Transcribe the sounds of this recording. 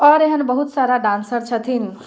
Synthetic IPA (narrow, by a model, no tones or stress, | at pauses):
ɔɾeɦənbəɦut̪saɾaɖansəɾt͡ʃʰət̪ʰin